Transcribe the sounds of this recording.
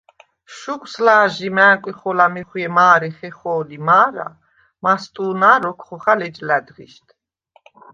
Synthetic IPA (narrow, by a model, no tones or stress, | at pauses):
ʃukʼslaːʒimɛːkʼiχɔlamiχwjɛmaːɾɛχɛχɔːlimaːɾa̰ | mast̪ʼuːnaːɾɔkʰχɔχalɛd͡ʒlad̪ʁḭʃt̪ʰ